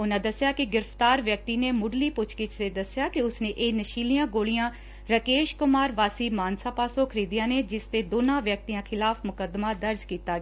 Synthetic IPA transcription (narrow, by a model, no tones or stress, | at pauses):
ʊnãːd̪əsːɪjaːkɪɡɪɾəft̪aːɾʋjək̚t̪iːneːmʊɖliːpʊt͡ʃkɪt͡ʃt̪eːd̪əsɪjaːkiʊsneːʔeːnəʃiːlijãːɡoːlijãː | ɾəkeːʃkʊmaːɾʋaːsiːmaːnsaːpaːsõːkʰəɾiːd̪ijãːneːd͡ʒɪst̪eːd̪oːnãːʋjək̚t̪ijãːkʰɪlaːfʰmʊkəd̪maːd̪əɾd͡ʒkiːt̪aːɡ